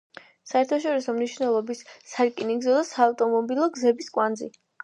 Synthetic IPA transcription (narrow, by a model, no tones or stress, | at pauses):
saɛɾt̪ʰaʃɔɾisɔmniʃvnɛlˠɔbisːaɾkʼiniɡzɔd̪asaːft̪ʼɔmɔbilˠɔɡzɛbiskʼwand̪zḭ